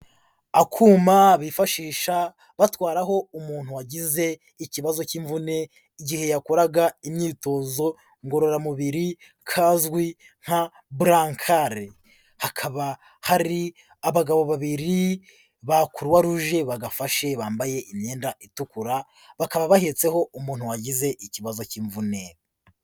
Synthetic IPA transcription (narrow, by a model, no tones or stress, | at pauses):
akʰuːmaβifaʃiːʃa | βatwaːɾaɦo̞umuːn̥huwaɟize̞ | iciβazo̞ciɱvune̞ | iɟihe̞jakoɾaɡaimɲiːto̞ːzo̞ | ŋɡo̞ɾo̞ɾamuβiɾi | kʰaːzɡwi | ŋ̥ha | buɾaŋkʰaɾe | hakʰaβa | haɾi | aβaɡaβo̞βaβiɾi | βakuɾwaɾuʒe̞βaɡafaʃe̞βaːmbaje̞ʔimɲeːndaʔitukuɾa | βakaβaβahet͡se̞ho̞umuːn̥huwaɟize̞ʔiciβazo̞ciɱvune̞